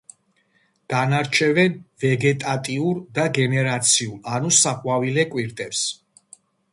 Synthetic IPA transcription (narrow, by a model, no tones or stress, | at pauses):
ɡ̥anaɾt͡ʃʰɛvɛnvɛɡɛt̪ʼat̪ʼiuɾd̪aɡɛnɛɾat̪sʰiulanusaχʼwavilɛkʼwiɾt̪ʼɛps